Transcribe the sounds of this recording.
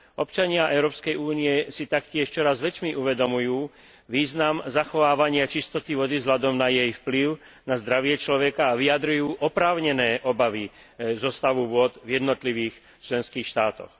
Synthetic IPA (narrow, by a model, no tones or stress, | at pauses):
ʔɔpt͡ʃaɲɪaʔɛʊɾɔːpskɛjuːniɛsit̪akcɪɛʃt͡ʃɔɾazʋɛt͡ʃmiʔuʋɛd̪ɔmujuː | ʋiːznamzaxɔʋaːʋaɲɪat͡ʃist̪ɔt̪iʋɔd̪ivzɦlad̪ɔmnajɛjfpliʊ | nazd̪ɾaʋɪɛt͡ʃlɔʋɛkaːʋiad̪ɾujuːʔɔpɾaːʊɲɛnɛːʔɔbaʋi | zɔst̪aʋuʋʊɔd̪vjɛd̪nɔt̪liʋiːx | t͡ʃlɛnskiːxʃt̪aːt̪ɔ̰x